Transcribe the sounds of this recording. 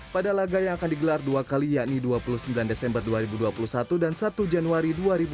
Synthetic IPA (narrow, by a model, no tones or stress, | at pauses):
padalaɡajaŋakandiɡəlarduakalijaʔniduapulusəmbilandesɛmbərduaɾibuduapulusat̪udansat̪ud͡ʒanuaɾiduaɾibu